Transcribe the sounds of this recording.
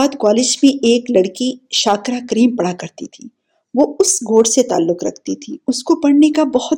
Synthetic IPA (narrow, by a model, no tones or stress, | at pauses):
aːd̪kaːlɪd͡ʒmẽeːklɐɽkiʃaːkɾakɾiːmpɐɽakɐɾt̪it̪ʰiː | ʋoʊsɡʱoːɽset̪a̰ːlːʊkɾɐ̰kʰt̪it̪ʰiʊskopɐɽnekabɐhʊt̪